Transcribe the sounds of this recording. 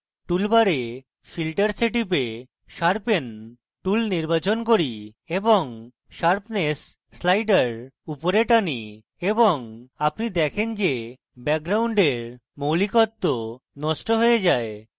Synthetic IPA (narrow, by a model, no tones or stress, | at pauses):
ʈulbaɾe | filʈaɾsiʈip̬e | ʃaɾpen | ʈulniɾbat͡ɕonkoɾi | eboŋ | ʃaɾpnesː | lajɖaɾupoɾeʈani | eboŋapnid̪ɛkʰend͡ʑe | bɛɡ̚ɡɾawɳɖeɾ | mowlikot̪ːonɔʃʈoɦojed͡ʑae